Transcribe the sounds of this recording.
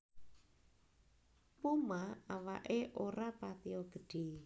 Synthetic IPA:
pumaawa̰ʔeʔoɾapat̪iɔɡ̥ə̤ɖ̥e̤

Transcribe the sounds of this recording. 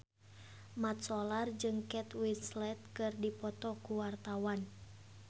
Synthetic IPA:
mat̪̚sɔlard͡ʒɨŋkɛt̪wit̪slɛt̪̚kɨrdipɔt̪ɔkuwart̪awan

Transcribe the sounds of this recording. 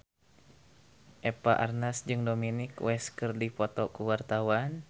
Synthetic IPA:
ʔɛpa̰ʔarnasd͡ʒɨŋdominikwɛskɨrdipɔt̪ɔkuwart̪awan

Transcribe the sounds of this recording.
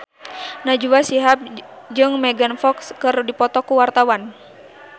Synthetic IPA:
nad͡ʒuwasiɦap̚ | d͡ʒɨŋmɛɡanfɔkskɨrdipɔt̪ɔkuwart̪awan

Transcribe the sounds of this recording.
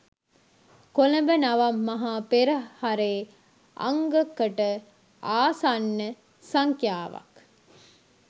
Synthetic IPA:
koləmbənɐʋɐmːɐɦaːpeɾəhɐɾeː | ʔɐ̰ŋɡəkːəʈə | aːsanːə | sɐŋkjaːʋɐ̰k

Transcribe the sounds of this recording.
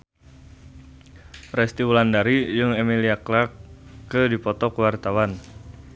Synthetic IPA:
rɛst̪iwulandaɾijɨŋemiliaklakːədipɔt̪ɔkwart̪awan

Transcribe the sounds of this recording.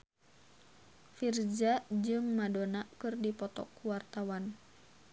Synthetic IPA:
fird͡ʒad͡ʒɨŋmadonakɨrdipɔt̪ɔ̰kːuwart̪awan

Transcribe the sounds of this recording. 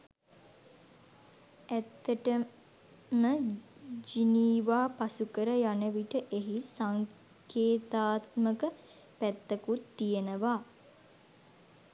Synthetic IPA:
æt̪ːəʈə | məd͡ʒiniːʋaːpasukəɾəjanəʋiʈəʔeɦisaŋ | keːt̪aːt̪məkə | pæt̪ːəkut̪ːijenəʋaː

